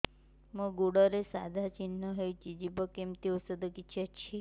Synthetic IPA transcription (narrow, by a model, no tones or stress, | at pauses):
mə̃ɡuɽɔɾesad̪ʱat͡ʃinːəɦejt͡ʃid͡ʒibəkemt̪iusəd̪əkit͡ʃʰet͡ʃʰi